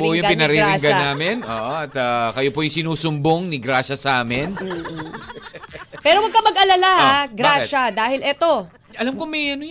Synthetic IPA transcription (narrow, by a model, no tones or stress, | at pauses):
pojʊŋpɪnɐɾiɾɪŋɡɐaːmɪnʔo̰ːʔoʔɐt̪ɐkɐjopojʊŋsɪnuːsʊmboŋnɪɡɾaːʃɐsɐʔaːmɪno | pɛːɾowɐɡ̚kɐmɐɡʔɐlalahaɡɾaːʃɐd̪aːhɪlʔɛt̪o̞ | ʔɐlamkomɛjɐnʊj